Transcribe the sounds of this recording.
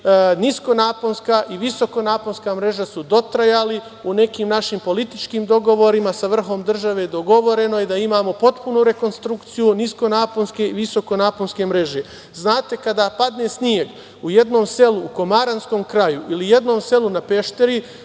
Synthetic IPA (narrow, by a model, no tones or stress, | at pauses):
nisko̞naːponskaːʔiʋiso̞ko̞naːponskaːmɾe̞ʒasud̪o̞t̪ɾajali | une̞kiːmnaʃimpo̞lit̪it͡ʃkiːmd̪o̞ɡo̞ʋo̞ɾimasaʋr̩xo̞md̪r̩ʒaʋed̪o̞ɡo̞ʋo̞ɾe̞no̞ed̪aimaːmo̞po̞t̪punuɾe̞ko̞nst̪ɾukt̪sijunisko̞naːponske̞iʋiso̞ko̞naːponske̞mɾe̞ʒe̞ | znaːt̪e̞kad̪aːpad̪ne̞ːsnie̞ɡ | uje̞d̪no̞ːmse̞luːko̞maɾansko̞mkɾajuilije̞d̪no̞ːmse̞lunape̞ʃt̪eɾi